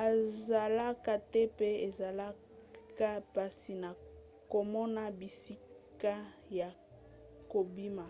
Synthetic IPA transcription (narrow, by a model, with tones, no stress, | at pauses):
a˨za˨la˦ka˦tɛ˦pe˦e˨za˨la˦ | ka˦pa˨si˨na˨ | ko˨mɔ˦na˦bi˨si˦ka˦ja˨ | ko˨bi˦ma˨